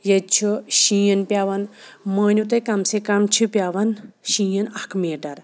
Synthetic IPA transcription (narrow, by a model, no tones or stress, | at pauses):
jet͡ʃʰiʃĩːjənpjaːʋɐnməːnʲut̪̬ekɐmsekɐmt͡ʃʰipʲjaːʋɐnʃĩːjənɐkmeːʈɐɾ